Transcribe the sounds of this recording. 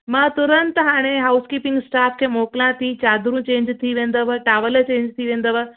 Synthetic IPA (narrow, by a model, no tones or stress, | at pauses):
mãt̪ʊɾə̃nt̪ɦaːɽ̃eɦaːʊskiːpɪ̃ŋɡsʈaːfʰkʰeːmoːklãt̪ʰit͡ɕaːd̪ʱɾũt͡ɕẽːɲd͡ʑt̪ʰiʋẽːn̆d̪əʋəʈaːʋəlt͡ɕẽːɲd͡ʑt̪ʰiʋẽːnd̪əʋə